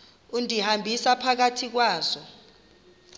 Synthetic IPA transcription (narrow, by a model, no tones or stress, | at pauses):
undʱihambʱisapʰak̬atʰik̬waːzɔ